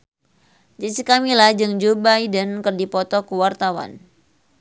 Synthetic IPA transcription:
d͡ʒisikamilahd͡ʒɨŋd͡ʒobajdənkɨrdipɔt̪ɔkuwart̪awa̰n

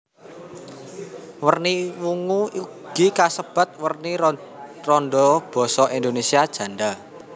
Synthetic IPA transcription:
wərniwuŋuiɡ̥ikasəb̥a̤t̪̚wərni | rɔnɖɔb̥ɔ̤sɔʔind̪onesiad̥ʒ̥ä̤ɳɖa

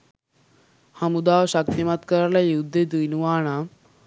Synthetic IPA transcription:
hamud̪aʋɕak̚t̪imat̪kəɾaɾlajud̪ʱːed̪ujnuʋaːɳ̃a

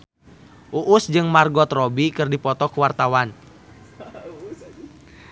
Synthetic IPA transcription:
ʔuʔusd͡ʒɨŋmarɡɔt̪rɔbikɨrdipɔt̪ɔkuwart̪awan

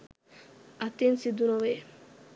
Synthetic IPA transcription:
at̪insid̪unowe

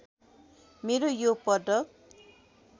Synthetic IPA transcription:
meɾojopʌɖʌk

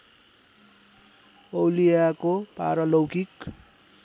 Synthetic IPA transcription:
ʌwlijakopa̰ɾʌlʌwkik

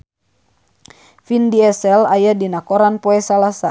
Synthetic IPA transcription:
findiɛsɛlajadinakɔɾanpɔɛsalasa

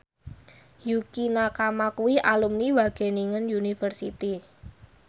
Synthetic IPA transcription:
jukinakamakuiʔalumniwaɡ̥e̤niŋənjunifərsit̪i

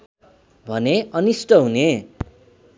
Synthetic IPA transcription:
bʱʌneʌnisʈʌɦune

